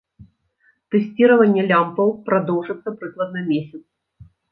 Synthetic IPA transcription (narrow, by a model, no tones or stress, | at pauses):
t̪ɛsʲt͡sʲiɾɐvɐnʲːɛlʲampɐwpɾad̪ɔwʐɨt̪sːɐpɾɨklˠɐd̪̚nɐmʲesʲɐt̪s